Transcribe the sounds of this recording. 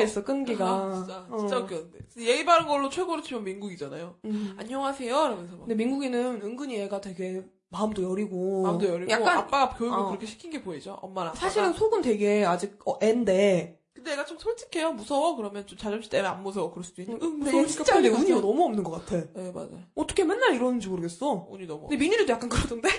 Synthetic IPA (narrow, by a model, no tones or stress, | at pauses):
s͈ʌk͈ɯnɡiɡait͡ɕ͈akjondeɯje̞ɡibaɾɯnɡʌɭːot͡ɕʰweɡoɾɯt͡ɕʰimjʌmːinɡuɡid͡ʑanajoa̰ɲːʌŋɦasʰe̞jokɯɾʌmjʌns̬ʰʌɯdeminɡuɡenɯnɯŋɡɯɲieɡatwe̞ɡe̞ | maɯmdojʌɾiɡoadojʌɾijakk͈anapp͈aɡakjojuɡkɯɾʌkʰeɕʰi̥kʰinɡe̞poid͡ʑoʔʌ̰mːaɾasʰaɕʰiɾɯnsʰoɡɯntwe̞ɡe̞ad͡ʑiɡ̚ʌʔende̞ | kɯndeeɡat͡ɕʰomsʰʌɭt͡ɕ͈ʰi̥kʰe̞jomusʰʌwʌkɯɾʌmjʌnt͡ɕomt͡ɕad͡ʑʌmɕʰi̥t͈emeanmusʰʌwʌkɯɾʌs͈ud̥uinɯnɯdeit͡ɕ͈adeuɲionʌmuʌmnɯnɡʌk͈atʰe̞jema̰d͡ʑa̰joʌt͈ʰʌkʰemenːaɾiɾʌnɯnd͡ʑimoɾɯɡe̞s͈ʌṵɲinʌmuɯndemiɲiɾidojak͈ankɯɾʌdɯnde̞